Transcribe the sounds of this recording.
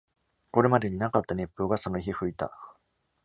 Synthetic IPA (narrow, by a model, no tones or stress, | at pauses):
ko̞ɾe̞mad̪e̞ɲ̟inakat̪ːaɲʲe̞pːɯ̟ːɡaso̞no̞çiɸɯ̟it̪a̰